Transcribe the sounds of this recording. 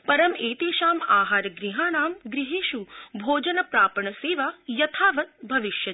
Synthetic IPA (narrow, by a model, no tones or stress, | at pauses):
pɐɾɐmeːt̪eːʃaːmaːɦaːɾɡɾiɦaːnaːmɡɾɪɦeːʃubʱoːd͡ʒɐnɐpɾaːpɐɳɐseːʋaːjɐt̪ʰaːʋɐt̪̚bʱɐʋɪʃjɐ